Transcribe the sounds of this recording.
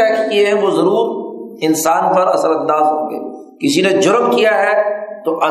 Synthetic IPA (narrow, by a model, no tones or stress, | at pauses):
ɛːkʰeɛʋozɐɾuːɾɪnsaːnpɐɾɐsəɾɐ̃nd̪aːzɦõ̰ːɡḛː | kɪsined͡ʒʊɾmkijaɦɛt̪oʔɐ